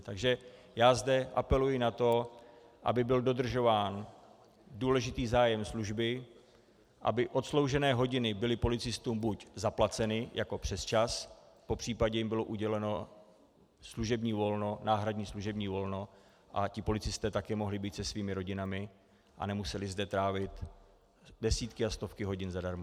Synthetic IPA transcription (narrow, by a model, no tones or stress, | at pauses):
t̪aɡʒɛ | jaːzdɛʔa̰pɛlujɪnat̪o̞ | ʔa̰bɪbɪldo̞d̪r̩ʒo̞vaːn | duːlɛʒɪt̪iːzaːjɛmsluʒbɪ | ʔa̰bɪʔo̞t̪slo̞wʒɛnɛːɦo̞ɟɪnɪbɪlɪpo̞lɪt͡sɪst̪uːmbuczaplat͡sɛnɪjʔako̞pr̝̥ɛst͡ʃas | po̞pr̝̥iːpaɟɛjɪmbɪlo̞ʔuɟɛlɛno̞ | sluʒɛbɲiːvo̞lno̞naːɦɾadɲiːsluʒɛbɲiːvo̞lno̞ | ʔa̰cɪpo̞lɪt͡sɪst̪ɛːt̪akɛːmo̞ɦlɪbiːt̪sɛsviːmɪɾo̞ɟɪnamɪ | ʔa̰nɛmusɛlɪzdɛt̪ɾaːvɪt̪ | dɛsiːt̪kɪast̪o̞fkɪɦo̞ɟɪnzadaɾma